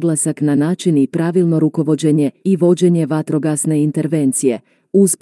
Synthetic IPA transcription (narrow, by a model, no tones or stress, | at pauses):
ɡlˠasaknanaːt͡ʃinipɾaʋilˠno̞ɾuko̞ʋo̞d͡ʑeɲe̞iʋo̞d͡ʑe̞ɲe̞ʋat̪ɾo̞ɡasne̞int̪e̞ɾʋe̞nt̪sije̞ | usp